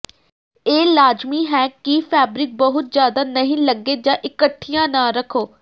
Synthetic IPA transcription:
eːlaːd͡ʒmiːɦɛːkipʰɛːbɾɪk̚bəɦʊt̪̚zjaːd̪aːnəɦĩːləɡːeːd͡ʒãːʔɪkəʈʰːijãːnãːɾəkʰoː

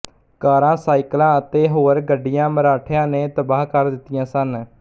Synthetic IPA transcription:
kaːɾãːsaːiklãːət̪eːɦoːɾɡəɖːɪjãːməɾaːʈʰjãːnẽːt̪əbaːɦkəɾd̪ɪt̪ːɪjãːsən

